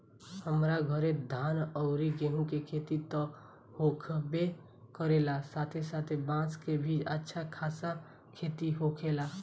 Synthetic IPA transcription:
həmɾaɡʱəɾed̪ʱaːnɔʊɾiɡeɦũkekʰeːt̪it̪ɔ | hoːkʰbe | kəɾeːlasaːt̪ʰesaːt̪ʰebãːskebʱiːd͡ʒətːʃʰakʰaːsa | kʰeːt̪iɦokʰeːla

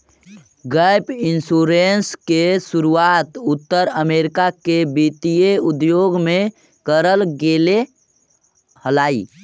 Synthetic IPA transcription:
ɡəjpinsuɾenskesuɾuat̪ʊt̪ːəɾəmeɾɪkakebit̪ijeud̪joɡmẽ | kəɾəlɡele | həlaːḭ

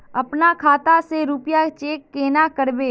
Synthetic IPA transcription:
ɐpnakʰaːt̪aseɾuːpjat͡ʃeːkːeːnakəɾbeː

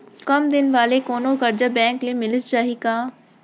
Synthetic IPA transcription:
kəmd̪ɪnʋaːleːkoːnõːkəɾd͡ʒaːbɛ̃ːŋkleːmɪlɪst͡ʃaːɦiːkaː

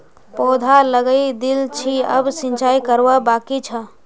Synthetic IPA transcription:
pɔːd̪ʱaləɡəid̪ilt͡ʃʰiə̰bsĩnt͡ʃaːikəɾwabaːkit͡ʃʰə

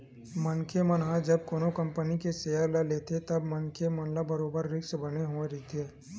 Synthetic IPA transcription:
mɐnkemənɦãd͡ʒɐb̚koːnokɐ̃mpənikeseːəɾlɐleːt̪ʰet̪ɐbmənkemɐnlabɐɾoːbəɾːɪksbɐneɦoeɾit̪ʰeː

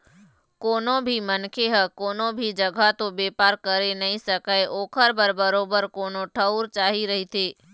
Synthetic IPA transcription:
koːnõbʱimɐnkʰeɦəkoːnõbʱid͡ʒɐɡʱat̪õbeːpaːɾkɐɾenɐɦĩsɐkəeʔoːkʰəɾbəɾbɐɾoːbəɾkoːnoʈʰɐʊɾt͡ʃaːɦiɾɐɦit̪ʰeː

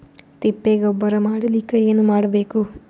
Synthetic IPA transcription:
t̪ipːeːɡbːɐɾɐmaːɽɐlikːɐeːnumaːɽɐbeːku

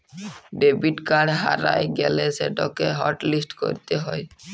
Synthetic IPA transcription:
ɖebiʈkaɽɦa̰ɾa̰jɡɛleseɖɔkeɦɔɾʈlisʈko̰ɾit̪eɦɔj

